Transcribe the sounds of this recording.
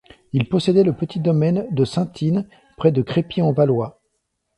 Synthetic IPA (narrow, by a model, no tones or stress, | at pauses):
ilpɔsed̪ɛləpət̪id̪ɔmɛnd̪əsɛ̃t̪ʰin | pχɛd̪əkχepiɑ̃valwa